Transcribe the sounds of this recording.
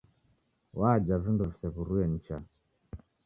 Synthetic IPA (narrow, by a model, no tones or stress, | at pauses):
waːd͡ʒavinduvisɛkuɾujɛn̩t͡ʃa